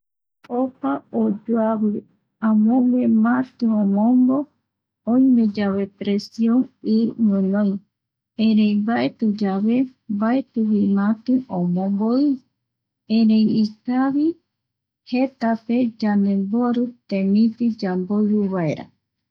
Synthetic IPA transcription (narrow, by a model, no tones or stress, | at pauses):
opaod͡ʒoaβɨ | ãmõwemãt̪ɨ̃õmõmbo | õĩmẽd͡ʒaβepɾesiõŋɨɾmɨ̃nõĩ | ẽɾẽĩbaʔet̪ud͡ʒaβembaet̪uβimãt̪ɨ̃õmõmboi | ẽɾeĩikaβi | het̪aped͡ʒanẽmboɾɨt̪emĩt̪id͡ʒamboiɾuβaeɾa̰